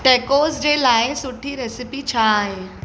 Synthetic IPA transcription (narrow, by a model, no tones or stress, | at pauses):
ʈekosd͡ʑelaẽsuʈʰːiːɾesipit͡ɕʰaaɦe